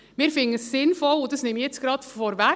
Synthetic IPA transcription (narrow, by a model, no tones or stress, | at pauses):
mɪːɾfɪŋəsːɪnfɔlʊdɑsnɪmijɛt͡sɡ̥ɾɑtfɔɾʋæ